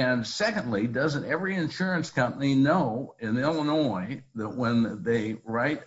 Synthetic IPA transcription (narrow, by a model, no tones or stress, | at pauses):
ɨ̃nsɛkɨ̃ndˡlidʌzɨ̃ntɛvɹiɨ̃nʃʊɹɨ̃nskʰʌ̃mpəninoʊɪ̃nɛlˠə̃nɔɪðət̚wə̃nðeɪɹaɪt̚